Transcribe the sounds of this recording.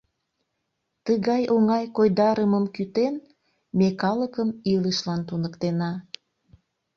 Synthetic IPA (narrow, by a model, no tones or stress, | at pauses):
t̪əɣɑjoŋɑjkojd̪ɑɾəməmkyt̪en | mekɑləkəmiləʃlɑnt̪unəkt̪enɑ